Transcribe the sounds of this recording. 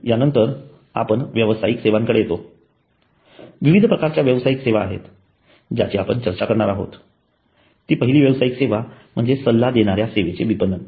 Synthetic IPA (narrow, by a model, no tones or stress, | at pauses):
janənt̪əɾ | a̰pəɳʋjəʋəsajikseʋaŋkəɽejet̪o | ʋiʋid̪ʱəpɾəkaɾt͡ɕjaʋjəʋsajikseʋaːɦḛt̪ | d͡ʑat͡ɕiːapəɳt͡ɕəɾt͡ɕakəɾɳaɾaɦo̰t̪ː | iːpəɦiliːʋjəʋsajikseʋam̤əɳd͡zesəlːad̪eɽ̃aɾjaseʋet͡seʋipənːən